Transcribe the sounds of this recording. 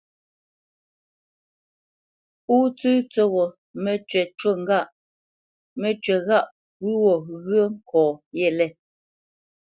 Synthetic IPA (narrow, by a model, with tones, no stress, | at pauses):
puː˦t͡sʉ˦t͡so˦ɣɔ˨ | mɛ˨t͡ʃɥɛ˨t͡ʃo˦˨ŋ̩˦ɡa˦˨ʔ | mɛ˨t͡ʃɥɛ˨ɣa˦˨ʔ | wʉ˦wɔ˨ɣə˦ŋ̩˦kʰɔ̃ː˨jɛ˦˨lɛ˦˨